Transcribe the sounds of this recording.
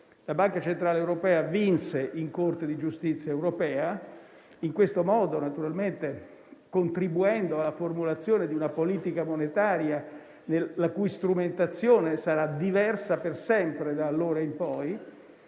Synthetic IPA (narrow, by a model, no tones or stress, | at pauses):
labaŋkat͡ʃent̪ɾaːlewɾopɛːavinseʔiŋkort̪ed̪id͡ʒust̪it̪sːjaewɾopɛːa | iŋkwest̪omɔːd̪onat̪uɾalment̪e | kont̪ɾibuɛnd̪oalːaformulat̪sːjoːned̪iunapoliːt̪ikamonet̪aːɾja | neːakujst̪ɾument̪at̪sːjoːnesaɾad̪ivɛrsapersɛmpɾed̪aːlːoːɾaimpɔj